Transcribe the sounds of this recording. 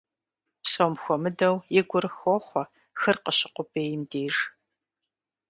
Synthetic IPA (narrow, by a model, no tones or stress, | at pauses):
psomxʷɔmɨdɐwjɪɡʷʊɾɨxoːχʷɔ | xɨrqəɕɪ̥qʷʊpʰʼeːjɪmdeːʐ